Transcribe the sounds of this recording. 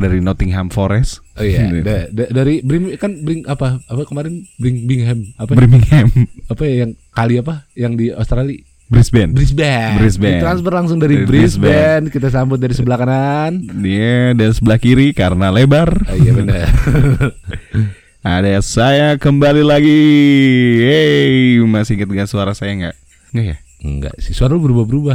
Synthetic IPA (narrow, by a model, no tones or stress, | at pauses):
daɾinot̪ɪŋɦamfoɾɛsojadadadaɾibɾimkanbɾɪŋapaapakəmaɾɪnbɾiŋbiŋɦɛmapabɾimbiŋhɛmapajajaŋkaliapajaŋdiost̪ɾali | bɾisbɛnbɾisbɛbɾisbɛt̪ɾansfərlaŋsʊŋdaɾibɾisbɛnkit̪as̬ambʊt̪̚daɾisəbəlakananiadansəbəlahkiɾikaɾənalebarijabənə | adasajakəmbalilaɡi | emasiŋət̪̚ɡasuaɾasajaŋɡa̰ʔ | ŋɡaja | ŋɡa̰ʔsisuaɾaubəɾubahbəɾuba